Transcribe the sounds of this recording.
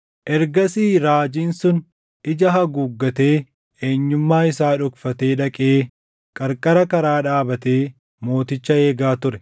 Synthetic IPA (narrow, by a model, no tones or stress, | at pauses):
ʔɛɾɡɐsiːɾaːd͡ʒiːnsʊn | ʔɪd͡ʒɐɦɐɡuːɡːɐt̪e̞ː | eːɲːʊmːaːɪsaːᶑʊkfɐt̪e̞ːᶑɐkʼeː | kʼɐɾkʼɐɾɐkɐɾaːᶑaːbɐt̪e̞ː | mo̞ːt̪ɪt͡ʃːɐe̞ːɡaːt̪ʊɾɛ